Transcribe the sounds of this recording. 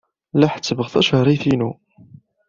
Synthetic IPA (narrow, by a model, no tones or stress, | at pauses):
laħt͡sːəvəʁθɑʃəɾˤiθinu